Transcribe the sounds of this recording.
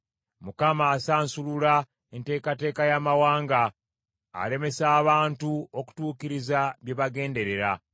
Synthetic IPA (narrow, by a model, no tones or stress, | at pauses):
mukamaːsaːnsulula | ente̞ːkate̞ːkajamawaːŋɡa̰ː | le̞me̞saːβaːntuo̞ku̥tuːkiɾizaβje̞βaɡe̞ːnde̞ɾe̞ɾa